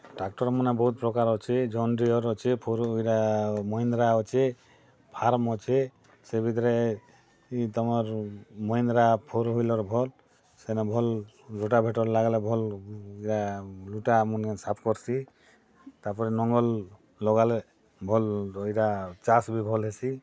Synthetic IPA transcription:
ʈak̚ʈɔɾmunebɔɦut̪̚pɾɔkaɾɔt͡ʃʰed͡ʒɔnɖɾiɔɾɔt͡ʃʰepʰoɾjɾamɔjnd̪ɾaɔt͡ʃʰe | pʰaɾmɔt͡ʃʰe | sebʱit̪̬ɔɾe | it̪ɔmɔɾmɔjnd̪ɾapʰoɾɦojlɔɾbʱɔl | sɛnɛbʱɔl | luʈabʱeʈɔɾlaɡalebʱɔliɾaluʈamunɛsapʰkɔɾsʰi | t̪aɾpɔɾɛnɔŋɡɔlː | ɔɡale | bʱɔlojɾat͡ʃasbibʱɔlɦesʰi

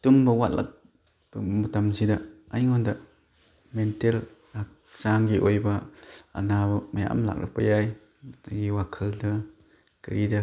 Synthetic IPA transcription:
tumbɐwat̚la̰k̚ | mutamsidɐajŋɔndɐ | mentel | ak̚ | saŋɡiʔojbɐa̰nabɐmaja̰ʔmla̰k̚ɾa̰pɐjaj | aɡiwakʰɯldɐ | kɯɾidɐ

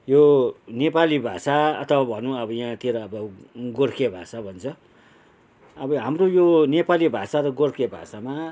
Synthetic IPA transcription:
jonepalibʱa̰saʌ̰t̪ʰʌwabʱʌnũʌbʌjãt̪ʰeɾʌːbʌɡorkʰebʱa̰sabʱʌnt͡sʰʌ | ʌbʌɦamrojonepalibʱasaɾʌɡorkʰebʱa̰sama

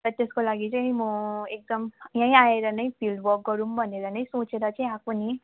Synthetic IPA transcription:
t̪ʌt̪eskolaɡit͡saĩmʌek̚d̪ʌmjãĩaeɾʌnʌjpʰildwʌk̚ɡʌɾumbʱʌneɾʌnʌj̃sot͡seɾʌt͡saĩakʰuni

